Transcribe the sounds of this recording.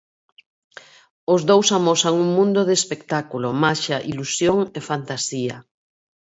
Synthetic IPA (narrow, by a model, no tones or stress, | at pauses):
ozðowsamosaŋuŋmũnd̪oðespekt̪akulomaʃaʔilusjoŋefant̪asiɐ